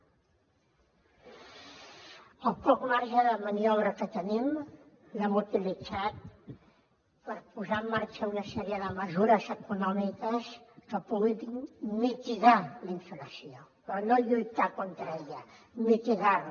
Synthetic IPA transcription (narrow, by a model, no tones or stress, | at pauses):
əlˠpɔkmaɾʒəðəməniɔβɾəkət̪ənim | lɛmut̪ilid͡zat̪̚ | pəɾpuzamːaɾt͡ʃəunɐsɛɾiəðəməzuɾəzəkunɔmikəskəpuɣiðinmit̪iɣaliɱfələsiopɾɔnoʎujt̪akont̪ɾəeʎəmit̪iɣaɾ